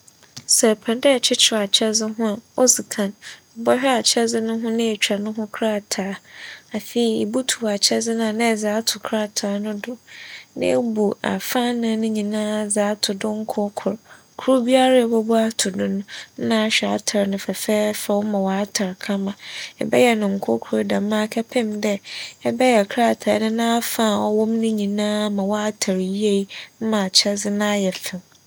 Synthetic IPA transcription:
sɛ˨pʰɛ̃˨ndɛ˦˨t͡ɕʰɪ˦t͡ɕʰɪ˨a˨t͡ɕʰɛ˦zɪ˦ɦʊ̃˦a˨o˦sɪ˨kʰã˨n̩˨ | bɔ˦ɕᶣɛ˦a˨t͡ɕʰɛ˦zɪ˦nʊ̃˦ɦʊ̃˦nã˦e˨t͡ɕᶣʰa˨nʊ̃˦ɦʊ̃˦kʰɾa˦˨tʰaː˨˦a˨fe˦i˨e˨bu˦tʰu˨wa˨t͡ɕʰɛ˦zɪ˦nã˨nã˦ɛ˨za˨˦tʰʊ˨kʰɾa˦˨tʰaː˨˦nʊ̃˦dʊ˨nã̰˦e˦bu˨a̰˨fã˦nã˨˦nʊ̃˦ɲĩ˨nãː˦˨zaː˨˦tʰʊ˨dʊ̃˦ŋ̩˦kʰʊ˦kʰʊ˨ɾ | kʰu˦ɾu˦bi˦a˦ɾa˨bɔ˦bu˦a˦tʰʊ˨dʊ̃˦nʊ̃˦nã˦ɕᶣɛ˨a̰˨tʰa˨ɾnʊ̃˨fɛ˨fɛː˦fɛ˨wmã˨wa˦a˦tʰa˨ɾkʰã˦mã˨ɛ̰˨bɛ̰˦jɛ˨nʊ̃˨ŋ̩˨kʰʊ˦kʰʊ˨ɾdã˨mã˦kʰɛ˦pʰɪ̃˦mdɛ˦ɛ˦bɛ˦jɛ˨kʰɾa˦˨tʰa˨˦nʊ̃˦nãː˦fã˦˨ɔ˦wɔ̃˦mnɪ̃˦ɲĩ˨nãː˦mã˨wɔ˦a˦tʰa˨ɾji˦e˦˨i˦n̩˦mã˨t͡ɕʰɛ˦zɪ˦nã˦jɛ˨fɪ˨m

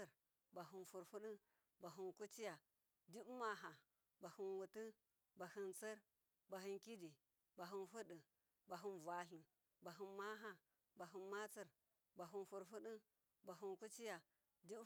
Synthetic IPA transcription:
ə˨ɾ | ba˨ɦu˨nfu˨ɾfu˦ɗi˦ | ba˨ɦi˨nku˦t͡ʃi˦ja˨ | di˦ma˨ɦa˨ | ba˨hu˨nwu˨ti˦ | ba˨hi˨nt͡sə˦ɾ | ba˨hi˦nki˦di˨ | ba˨ɦu˨nfu˦ɗə˨ | ba˨ɦu˦nvʷa˨ɬi˨ | ba˨ɦi˨nma˦ɦa˦ | ba˨ɦi˨nma˦t͡sə˨ɾ | ba˨ɦu˨nfu˨ɾfu˦ɗi˦ | ba˨ɦu˨nku˦t͡ʃi˦ja˨ | di˦

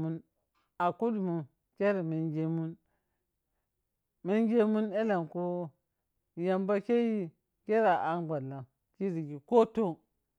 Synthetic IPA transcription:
u˦n | a˨ku˦dmu˨ | kʲe˦ɾi˨mi˨nɡe˦mu˦n | mi˦nɡe˦mu˦ne˦la˨ŋku˦ | ja˨mba˦ke˦ji˦ | ke˦ɾa˨ʔa˦nɡa˨la˨ | ki˦ɾi˨ɡi˨ko˦to˦ŋ

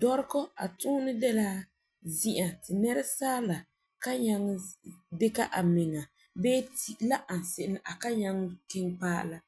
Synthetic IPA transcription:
dɔ˦ɾkɔ˦a̰˨tʊ˦nɨ˦dɛ˦la˦ | zi˦ʔa˨tɪ˨nɛ˦ɾa˦saː˦la˨ | ka˦ɲa˦ŋ˦dɪ˦ka˦ʔa˨mɪ˨ŋa˨ | bɛː˦ti˦la˦ʔa˨n˨sɪ˨ʔɪ˦n˨ʔa˨ka˦ɲa˦ŋ˦kɪ˦ŋpa̰ː˦˨la˦

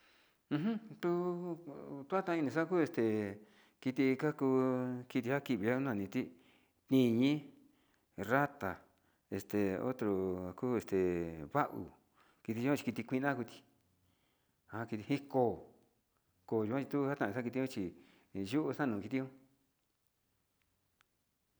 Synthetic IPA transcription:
ɦũ˦t̪u˦ | t̪u˦a˦t̪ã˧nĩ˧s̬a˦˧kuː˦e˧st̪e˨ | ki˧t̪i˧ka˦ku˧ki˧t̪̬i˧ha˦ki˧˨βi˧˨o˦nã˧nĩ˧t̪i˦ | t̪ĩ˧ɲĩ˦ | ra˦t̪a˨ | e˧st̪e˨o̰˦t̪ɾo˨kuː˦e˧st̪e˨βa˦ʔṵ˨ | ki˧t̪i˧u˧kʷã˦t͡ʃi̥˧ki˧t̪i˧kʷi˧nã˦ku˧t̪i̥˧ | a˧ki˧t̪i˧hĩ˦koː˦˨ | koː˧˨ju˧kʷã˦t͡ʃi˧t̪u˦ha˦t̪ã˧˨˧sa˦ki˧t̪̬i˧ũ˦t͡ʃi˨ | ʒu˦ʔu˧sa˦nũː˨˧ki˧i˧˦ũ˦

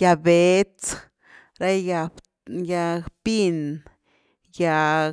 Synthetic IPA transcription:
ja˧be˨˦t͡s | ɾa˦ja˧ | ja˧pi˦n | ja˧

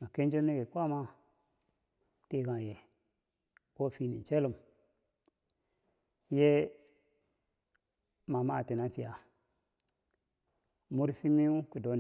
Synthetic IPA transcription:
ma˨ke˦n˦d͡ʒe˦mne˦ɡe˨kʷa˦ma˦ | te˦˨ɡã˨je˨ | wo˦˨fi˦nḭ˨n˨t͡ʃe˦lu˨m | je˦ | ma˨ma˦˨te˨na˦fi˨a˨ | mu˦ɾfi˦mi˦u˦ki˨do˨˦n

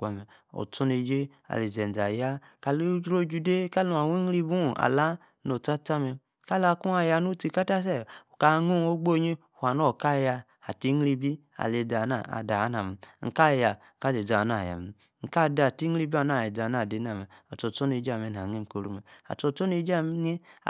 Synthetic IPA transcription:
ɡa˨mɛ˨ | ɔ̰˨t͡so˦ne˧d͡ʒe˦ | a̰˨le˨zɛ˨d͡za˨ja˦ | ka˧lo˦ɾo˦d͡ʒu˧de˦ka˦lu˨˦a˨wo˦ŋ˦ɾi˦bu˦˨a̰˨la˦ | no˨t͡sa˦ta˦mɛ˧ | ka˦la˧˦ku˦a˧ja˧nu˦ti˧ka˦ta˦sɛ˦˨o˨ka˧˦ŋu˦˨o˦ɡ͡bo˦˨ɲe˦˨ha˨n˦o˦˨ka˦˨ja˧ | a˨ti˦ŋ˦ɾi˧bi˦ | a̰˨le˧da˨˦na˦˨a̰˨da˨˦na˨me˨˦ŋ̩˨ka˦˨ja˨ | ka˦le˨za˨n˦a˦˨ja̰˨me˨ | ŋ̩˨ka˦da˨ti˦ŋ˦ɾi˦bi˦a˨n˦a˨je˨d͡za˨n˦a˦˨de˨˦n˦a˨me˨a˨tɔ˨tɔ˦ne˧˨d͡ʒa˨me˨n˨a˨ŋe˦m˨ko˨ɾu˧me˨a̰˨tɔ˧tɔ˦ne˧˦d͡ʒm˦e˦˨

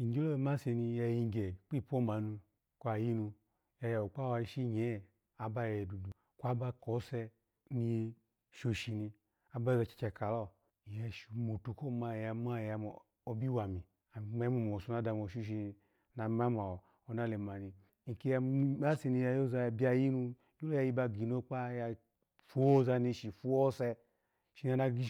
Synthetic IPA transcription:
i˨˦ɡi˦lo˦˧ma˦se˧ni˧ja˧ji˧ŋ˨ɡɛ˨k͡pi˦˨po˦ma˨nu˧ | kʷa˨ji˦nu˧ | ja˧ja˨o˨k͡pa˦wa˧i˧ʃi˦ɲɛ˨˦˨ | a˨ba˦˨jdu˨du˨ | kʷa˦ba˧ko˨˦sɛ˧ | ni˧je˧ | ʃo˧ʃi˧ni˧ | a˨ba˦˨za˧˨t͡ʃi̥˨˧t͡ʃɛ˧ka˨lɔ˦˨ | jɛ˧˨ʃu˨mo˨tu˨ko˦ma˧˨ja˧m˦a˦˨ja˧m˨ | o˧bi˦wa˨mi˨ | a˨ma˧˦mu˨m˨o˨su˧˦na˨˦da˧m˨o˨ʃu˦ʃ̬i˧ni˧ | na˨m˦a˦ma˨ | o˨na˦le˨ma˨ni˧˦ | ŋ̩˨ki˦˧ja˧i˦a˦se˧ni˧ja˧jo˦za˧jbi˦a˧ji˦nu˧˦ | u˦lo˦ja˧˨ji˧˦ba˧ɡi˨n˦o˦k͡pa˦ja˧ | fu˦o˦za˧ni˧ʃi˨fu˦o˦sɛ˧ | ʃi˨˧ni˦a˧na˧ɡi˦

